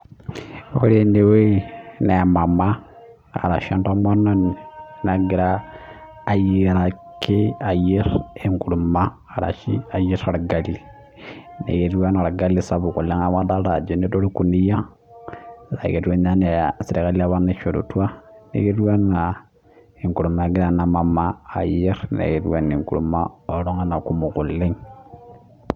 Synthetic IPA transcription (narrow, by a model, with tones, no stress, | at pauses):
ko˦ɾe˦ne˨we˦na˨a˨ma˨ma˦ | a̰˨ɾa˨ʃo˦nto˦mo˦nːo˦n˨na˨ɡi˨ɾaː˦˨ | ji˦˨ɾa˨ | ke˦a˨ji˦ɾe˦ŋku˨ɾu˨ma˦ | a˨ɾa̰˨ʃi˦a˨ji˦ɾa˨ɾa˨ɡa˨li˨ | nḛ˨ɡe˦du˦wa˦na˨ɾa˨ɡa˦lːi˦sa˦bu˨ku˨lːe˦ŋa˦ma˦da˦ɾa˨d͡ʒo˨ne˦do˦ɾo˦ku˨ni˦ja˦˨ | ɾa̰˨e˨tu˦e˦na˦ne˨a˨si˨ɾe˨ka˦li˦a˦βa˦ɾne˦ʃo˨do̰˨tu˦a˦nḛ˨ɡe˦du˦wa˦na˨ | e˨ŋku˨ɾu˨mːa˨ɡi˦ɾa˦na˨ma˨maː˦˨je˦ɾnḛ˨ɡe˨du˦a˦ne˨ŋkṵ˨ɾṵ˨mːa˦o˨ɾo˦ŋa˦na˨ku˦mu˨ku˨lːe˦ŋ